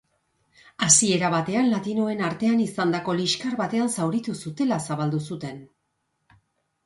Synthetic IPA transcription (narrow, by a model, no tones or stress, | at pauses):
asie̞ɾaβat̪e̞anlat̪ino̞e̞naɾt̪e̞anisand̪ako̞liʃkaɾβat̪e̞ansawɾit̪usut̪e̞lasaβald̪usut̪e̞n